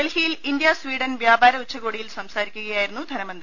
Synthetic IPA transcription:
elhijilind̪jaswiːɽɐnʋjaːbaːɾɐut͡ɕːɐɣoːɽijilsɐmsaːɾikʲːuɣɐjaːjiɾunːud̪ʱɐnɐmɐnd̪ri

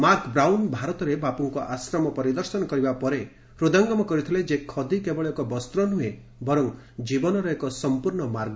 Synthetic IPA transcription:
maɾkbɾawnbʱaɾɔt̪ɔɾebapuŋkɔʔasɾɔmɔpɔɾid̪ɔɾsɔnɔkɔɾibapɔɾe | hɾud̪aŋɡɔmɔkɔɾit̪ʰiled͡ʒekʰɔd̪ʱikebɔɭɔkɔbɔst̪ɾɔnue | bɔɾɔŋ | d͡ʒibɔnɔɾɔekɔsɔmpuɾɳɔmaɾɡ

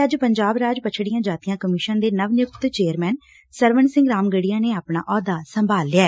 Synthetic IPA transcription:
əd͡ʒpəɲd͡ʒaːbɾaːd͡ʒpət͡ʃʰɽɪjãːd͡ʒaːt̪ijãːkəmɪʃənd̪eːnəʋnjʊk̚t̪t͡ʃeːəɾmɛːn | səɾʋənsɪ̃ŋɡɾaːmɡəɽijãːneːaːpɳa̰ːʔɔːd̪aːsəmbʱaːlːɪjaɛː

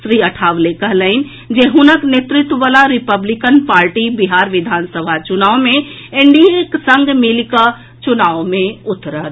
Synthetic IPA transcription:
sɾiəʈʰaːʋlekəɦləɪn̆ | d͡ʒeɦunəknet̪ɾɪt̪wəʋalaɾipəblikənpaːɾʈibiɦaɾʋid̪ʱaːnsəbʱat͡ʃunaːʋwmẽ | eɳɖieksəŋɡʱmilkə | t͡ʃunaːʋmẽʊt̪ːɾət̪

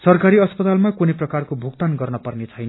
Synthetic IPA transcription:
sʌrkaɾiʌspʌt̪almakuneprʌkarkobʱukt̪anɡʌrnʌpʌrnet͡sʰʌjn

